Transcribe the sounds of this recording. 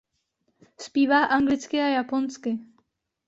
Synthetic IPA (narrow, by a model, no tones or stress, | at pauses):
spiːvaːʔaŋɡlɪt͡skɪajaponskɪ